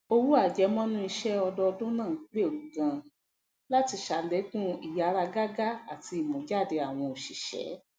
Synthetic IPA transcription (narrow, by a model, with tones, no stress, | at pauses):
o˧wu˦a˦˨d͡ʒɛ˨˦mɔ̃˦nũ˦i˧ʃɛ˦ɔ˧dɔ˧˦˧dũ˦nãː˦˨˦k͡pe˦˨ɾu˨ɡã˧ | la˦ti˧ʃa˨lɛ˨˦kũ˦i˨ja˨˦ɾa˧ɡa˦ɡa˦a˦˨ti˧i˨mɔ̃˨d͡ʒa˦˨de˧a˨w̃ɔ̃˧o˨ʃi˨ʃɛ̰˨˦